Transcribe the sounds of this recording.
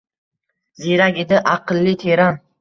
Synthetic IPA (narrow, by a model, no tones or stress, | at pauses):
ziɾakʲed̪ɪʔaqɨlˠːɪt̪ʰeɾan